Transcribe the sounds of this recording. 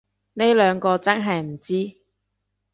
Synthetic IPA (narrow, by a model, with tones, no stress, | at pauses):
ne˥jlœː˨˧ŋkɔː˧t͡sɐ˥nɦɐ˨jm̩˨˩t͡siː˥